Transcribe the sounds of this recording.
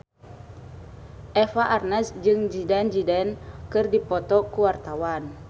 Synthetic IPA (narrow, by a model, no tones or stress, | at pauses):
ʔɛfaʔarnɛsd͡ʒɨŋd͡ʒidɛnd͡ʒidɛnkɨrdipɔt̪ɔkuwart̪awan